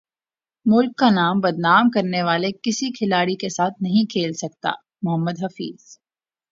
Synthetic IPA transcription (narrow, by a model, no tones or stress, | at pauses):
mʊlkːanaːmbɐd̪naːmkɐɾneʋaːlekɪsikʰɪlaːɽikesaːt̪ʰnɐɦĩkʰeːlsɐk̚t̪a̰ː | mʊɦəmːəd̪ɦɐfḭːz̥